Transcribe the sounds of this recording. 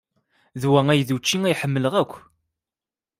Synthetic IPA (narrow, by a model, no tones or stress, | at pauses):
ðwæŋæjðut͡ʃːiŋæjħəmːələʁækʷː